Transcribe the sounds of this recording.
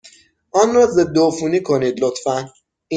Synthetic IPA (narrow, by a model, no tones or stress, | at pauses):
ʔɒːnrɒːzed̪ofuːniːkʰoniːd̪lot̪fæn | i